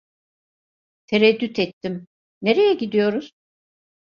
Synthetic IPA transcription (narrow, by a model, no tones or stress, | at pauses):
t̪ʰeɾɛd̪ːyt̪ʰɛt̪ʰːim | neɾejɛɟid̪ijo̞ɾuz̥